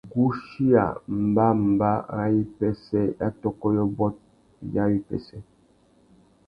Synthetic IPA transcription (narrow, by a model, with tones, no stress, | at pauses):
ɡu˦ʃi˦a̰˨m̩˨ba˦m̩˨ba˦ɣa˦ji˦pɛ˦sɛ˦ja̰˦tɔ˦kɔ˦jɔ˦bɔ˦t̚ | ja˦ɣi˦pɛ̰˨sɛ˦